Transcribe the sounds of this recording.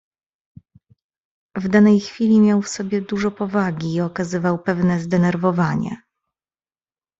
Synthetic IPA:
vd̪anɛjxfʲilʲimʲjawfsɔbʲjɛd̪uʐɔpɔvaɡʲiːɔkazɘvawpɛvnɛzd̪ɛnɛɾvɔvaɲɛ̰

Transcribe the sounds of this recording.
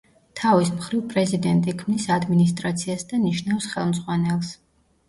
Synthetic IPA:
t̪ʰavismχɾivpʼɾɛzid̪ɛnt̪ʼikʰmnisad̪minis̬t̪ʼɾat̪sʰiasd̪aniʃnafsχɛlˠmzʁwanɛlˠs

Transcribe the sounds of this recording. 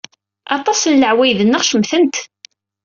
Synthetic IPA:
ʔɑt̪ˤɑsənləʕwæjðənːəʁʃəmθənt̪

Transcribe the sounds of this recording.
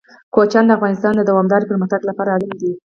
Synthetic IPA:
kot͡ʃɑnd̪əafɣɑnɪst̪ɑnd̪əd̪awɑmd̪ɑɾipəɾmaxt̪aɡlapɑɾaːlamd̪i

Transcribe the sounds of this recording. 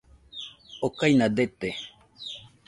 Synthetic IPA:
okajnad̪et̪e

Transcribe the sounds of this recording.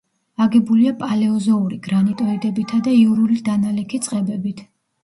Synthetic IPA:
aɡɛbuliapʼalɛɔzɔuɾiɡɾanit̪ʼɔid̪ɛbit̪ʰad̪aiuɾulid̪analɛkʰit̪sʼqʼɛbɛbit̪ʰ

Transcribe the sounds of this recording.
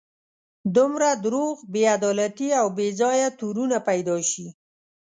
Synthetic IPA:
d̪umɾad̪ɾoɣbead̪ɑlat̪iawbezɑjat̪uɾunapajd̪ɑʃi

